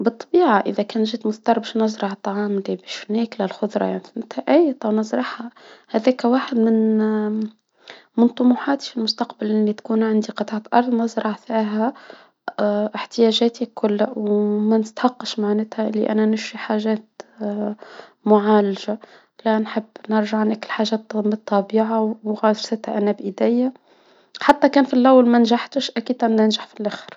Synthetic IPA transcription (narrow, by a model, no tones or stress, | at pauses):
bɨt̪ˤːɑbiːʕaʔɪðækæːnʒiːd̪mʊθt̪ɑɾˤbæʃnɑzˤɾˤɑʕt̪ˤːɑʕɑːmlibiːʃnæklælxʊd̪ˤɾˤɑ̰jaʕninɪt̪hæʔæjt̪ˤɑwnɨzˤɾˤɑħhahæðæːkæwaːħɪd̪mɪn | mɪnt̪ˤʊmuħaːt̪ifilmʊst̪ɑqbalʔɪlːit̪kuːnʕand̪iqɑt̪ˤɑʕt̪ʔɑɾˤðˤnɑzɾˤɑʕfiːɦæ | ʔɪħt̪ɪjæːʒæːt̪ikʰʊlːwmænɪst̪ħɑqːɑʃmaʕnɪt̪hæʔɪlːḭʔæ̰nænʊʃiħaːʒæːt̪ | mʊʕaːlaʒa | lænħəbːnɪɾˤʒaʕnʔækəlħaːʒæːt̪ət̪ˤːɑbiːʕaɣɑːd̪ɾsɪt̪hæʔænːæbʔɪd̪æjːa | ħat̪ːækæːnfilʔæwːalmænʒaħt̪əʃʔækiːd̪̚t̪amnɪnʒaħfilʔæxəɾ